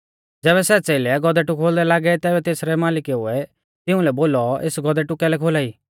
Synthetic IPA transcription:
d͡zɛːβɛsɛt͡seːɪlɛɡɔd̪ɛʈʊkʰoːld̪ɛlaːɡɛt̪ɛːbɛt̪eːsɾɛmaːlɪkɛɦʊɛ | t̪ɪʊ̃lɛboːlɔeːsɡɔd̪ɛʈʊkɛlɛkʰoːlaːiː

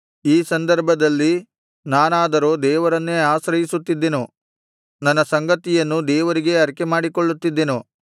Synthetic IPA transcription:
iːsɐnd̪ɐɾbʱɐd̪ɐlːi | naːnaːd̪ɐɾoːd̪ɛːʋɐɾɐnːeaːsɾɐjisut̪ːid̪ːe̞nu | nɐnːɐsɐŋɡɐt̪ijɐnːud̪ɛːʋɐɾiɡe̞ɐɾkemaːɽikoɭːut̪ːid̪ːe̞nu

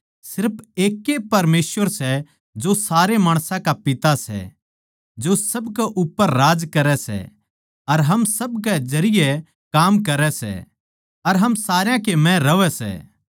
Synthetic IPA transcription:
sɪɾpʰeːkːepɐɾmeːsʋəɾsɛ | d͡ʒosaːɾemaːɽ̃sãkapɪt̪asɛ̰ | d͡ʒosɐbkɛʔʊpːəɾːaːd͡ʒkɐɾɛsɛ̰ | ɐɾɦɐmsɐbk̬ɛd͡ʒɐɾɪjɛ | kaːmkɐɾɛsɛ̰ | ɐɾɦɐmsaːɾjãkemɛ̃ɾɐʋɛsɛ̰ː

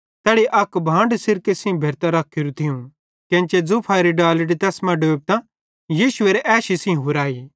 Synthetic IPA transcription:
t̪ɛːɽiʔɐkbʱãːɳɖsɪɾkesɪ̃bʱeːɾt̪aɾɐkʰːiɾut̪ʰɪũ | kɛ̃t͡ʃed͡zupʰaːɾiɖaːlɪɖit̪ɛːsmɐ̃ɖoːb̚t̪ã | jiːʃʊeːɾeʔɛːʃisɪ̃ɦʊɾaːi

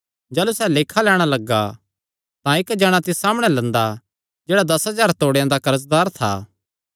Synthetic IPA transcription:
d͡ʒɛːlusɛːleːkʰalɛːɽ̃alɐɡːa̰ | t̪ãɪkd͡ʒɐɽ̃ãt̪ɪssaːmɽ̃ɛlɐ̃nd̪a | d͡ʒeːɽad̪ɐsɦɐzaːɾt̪oːɽejãd̪akɐɾəs̬d̪aːɾt̪ʰa̰ː

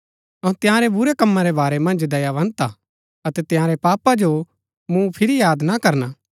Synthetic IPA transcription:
ɔ̃t̪ɪjãːɾebʊɾekɐmːãɾebaːɾɛmɐ̃nd͡ʒd̪ɐjaʋɐ̃nt̪a | ɐt̪ɛt̪ɪjãːɾepaːpad͡ʒo | mũpʰɪɾijaːd̪nakɐɾnaː

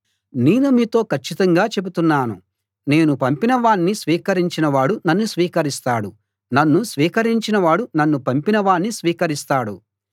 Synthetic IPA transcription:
ne̞ːnumiːt̪o̞ːkʰɐt͡ʃːit̪ɐŋɡaːt͡ʃe̞but̪unːaːnṵ | ne̞ːnupɐmpinɐʋaːnːisʋiːkɐɾiɲt͡ʃinɐʋaːɽunɐnːusʋiːkɐɾist̪aːɽu | nɐnːusʋiːkɐɾiɲt͡ʃinɐʋaːɽunɐnːupɐmpinɐʋaːnːisʋiːkɐɾist̪aːɽṵ

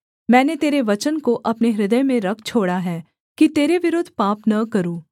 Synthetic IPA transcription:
mɛ̃ːnet̪eːɾeʋɐt͡ʃənkoʔɐpneɦɾɪd̪əjmẽɾɐkʰt͡ʃʰoːɽaɦɛː | kit̪eːɾeʋɪɾoːd̪ʱpaːpnɐkɐɾũː

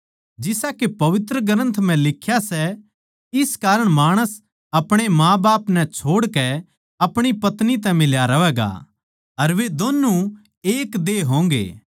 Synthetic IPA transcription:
d͡ʒɪsakepɐʋɪt̪ɾəɡəɾə̃nt̪ʰm̤ɛ̃lɪkʰːjasɛ | ɪskaːɾəɽ̃maːɽ̃əs | ɐpɽ̃emãːbaːpnɛt͡ʃʰoːɽkɛ | ɐpɽ̃ipɐt̪nit̪ɛ̃mɪljaɾɐʋɛːɡa̰ | ɐɾʋed̪oːnːũ | eːkd̪eːɦõːŋɡḛː

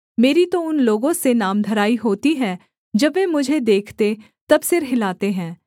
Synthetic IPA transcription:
meːɾit̪oʊnloːɡõsenaːmd̪ʱəɾaːiɦoːt̪iɦɛ̃ː | d͡ʒɐbeːmʊd͡ʒʱed̪eːkʰt̪e | t̪ɐbsɪɾɦɪlaːt̪eɦɛ̃ː

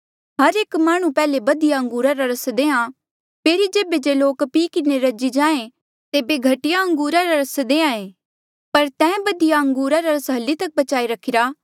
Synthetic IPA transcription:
ɦɐɾeːkmaːɽ̃ũpɛːlebɐd̪ijaɐ̃ŋɡuːɾaɾaɾɐsd̪eːã | pʰeːɾid͡ʒeːbed͡ʒeloːkpiːkɪneɾɐd͡ʒid͡ʒãːẽ | t̪eːbeɡʱɐʈɪjaɐ̃ŋɡuːɾaɾaɾɐsd̪ẽːãeː | pɐɾt̪ɛ̃ːbɐd̪ijaɐ̃ŋɡuːɾaɾaɾɐsɦɐlːit̪ɐk̚bɐt͡ʃaːiɾɐkʰɪɾaː

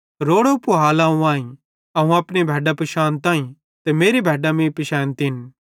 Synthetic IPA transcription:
ɾoːɽopuɦaːlãːũãːĩ | ɐɦũɐpnebʱɛːɖapɐʃaːnt̪ãːĩ | t̪emeːɾibʱɛːɖamĩpɪʃaːnt̪ːn

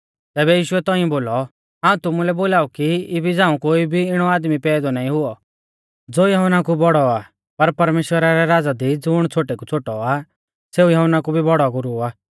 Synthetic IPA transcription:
t̪ɛːbɛjiːʃʊɛt̪ɔ̃ːĩɔ̃boːlɔ | ɦãːũt̪ʊmulɛboːlaːukiɪbʱid͡zãːũkoːibʱiɪɽ̃ɔaːd̪mipɛːd̪ɔnaːĩɦʊɔ | d͡zoːjɐɦʊnakubɔɽɔa | pɐɾpɐɾmeːʃwəɾaɾɛɾaːd͡zad̪id͡zʊɽ̃t͡sʰoːʈekut͡sʰoːʈɔa | seːujɐɦʊnakubʱibɔɽɔɡʊɾuaː

